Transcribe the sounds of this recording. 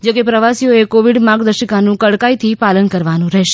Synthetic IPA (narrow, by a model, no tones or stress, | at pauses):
d͡ʒokepɾəʋasijoekoʋiɽmãɡd̪əɾʃəkanũkəɽkait̪ʰipalənkəɾʋanũɾɛɦʃe̥